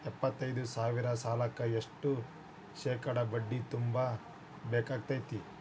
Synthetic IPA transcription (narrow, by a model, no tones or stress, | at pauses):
ɛpːɐt̪ːɐjd̪usaːʋiɾɐsaːlɐkːɐeʂʈu | ʃɛːkɐɽɐbɐɖːit̪umbɐ | bɛːkaːɡ̚t̪ɐːjt̪i